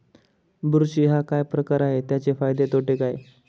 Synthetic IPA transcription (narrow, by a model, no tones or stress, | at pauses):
buɾɕiːɦakajpɾəkaɾaɦet̪jat͡ɕefajd̪et̪ʰoʈekaj